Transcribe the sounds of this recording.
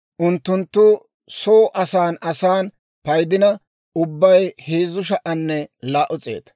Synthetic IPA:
ʔʊnt̪ːʊnt̪ːʊ | soːʔɐsaːnɐsaːn | pɐjd̪ɪnɐ | ʊbːɐjheːzʊʃ̬ɐʔɐnːɛlaːʔʊt͡sʼe̞̰ːt̪

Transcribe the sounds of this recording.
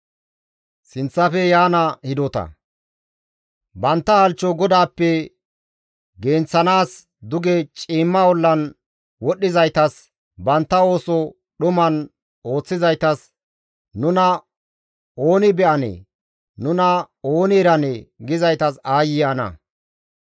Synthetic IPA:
sɪnt͡sːɐfɛjaːnɐhɪd̪ɔt̪ɐ̰ | bɐnt̪ːɐhɐlt͡ʃːɔɡɔd̪aːpːɛ | ɡe̞ːnt͡sːɐnaːs | d̪ʊɡɛt͡ʃʼiːmːɐwɔlːɐn | wɔɗːɪzɐjt̪ɐs | bɐnt̪ːɐo̞ːsɔ | ɗʊmɐn | o̞ːt͡sːɪzɐjt̪ɐs | nʊnɐ | oːnɪbɛʔɐnɛ̰ | nʊnɐ | o̞ːnɪɛɾɐnɛɡɪzɐjt̪ɐsaːjɪjanɐ̰

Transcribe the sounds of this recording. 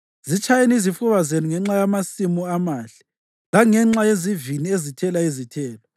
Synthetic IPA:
zit͡ʃʼʰajenizifuβazenuŋɛŋ͡ǁajamasimuamaːɬɛ̥ | ɣaŋɛŋ͡ǁajeziviniezitʰɛlaizitʰɛːlɔ

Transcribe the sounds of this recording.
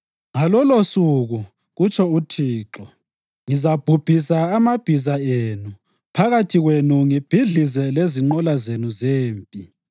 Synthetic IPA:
ŋalɔlosuɣu | ɣut͡ʃʰʼɔutʰiːǁɔ | ŋizab̥ʱub̥ʱisaːmab̥ʱizaenu | pʰaɣatʰiɣwenuŋib̥ʱiɮizɛleziŋ͡ǃɔlazenuzeːmpʼi

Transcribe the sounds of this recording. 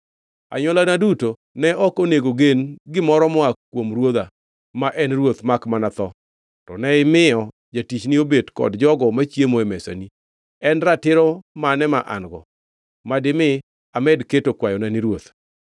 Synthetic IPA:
a̰ɲɔlanaduto | nɛʔɔkoneɡoɡenɡɪmɔɾɔmɔakwomrwod̪a | maʔɛnrwot̪makmanat̪ɔ | tɔnɛɪmɪɔ | d͡ʒatit͡ʃnɪobedkɔ̰dd͡ʒɔɡɔmat͡ʃjemoemɛsa̰ni | ɛnratɪɾɔmanɛmaʔa̰nɡɔ̰ | madɪmɪ | amɛdketokwajɔnaniɾwot̪

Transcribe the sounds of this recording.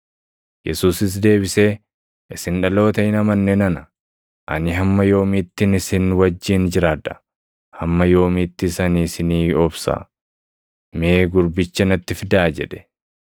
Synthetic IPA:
jɛ̰suːsɪs̬d̪e̞ːbɪse̞ː | ʔɪsɪnᶑɐlo̞ːt̪ɐʔɪnɐmɐnːeːnɐnɐ | ʔɐ̰nɪɦɐmːɐjo̞ːmit̪ːɪnɪsɪnwɐd͡ʒːiːnd͡ʒɪɾaːd̪ɐ̥ | hɐmːɐjo̞ːmɪt̪ːɪsɐniːsɪniːɔbsa̰ː | meeːɡʊɾbɪt͡ʃːɐnɐt̪ːɪfɪd̪aːd͡ʒɛᶑɛ̥

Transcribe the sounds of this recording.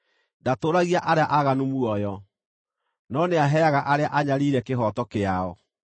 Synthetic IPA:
datoɾaɣiaʔaɾeaʔaɣanumuɔjɔ | nɔneaɦɛaɣaʔaɾeaʔaɲaɾiɾɛkeɦɔtɔkeaɔ

